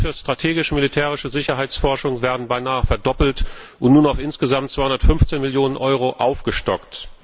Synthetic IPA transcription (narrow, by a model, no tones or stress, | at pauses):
fyːɐstʁ̥atʰeːɡɪʃəmilitʰeːʁ̞ɪʃəzɪçɐɦaɪt͡sfɔɐʃʊŋveːɐdn̩baɪnaːəfɛɐdɔpl̩tʔʊntnuːnaʊfʔɪnsɡ̥əzamtt͡svaɪʊndɐtfʏnft͡seːnmɪljoːnənʔɔʏʁoʔaʊfɡ̥əʃtɔkt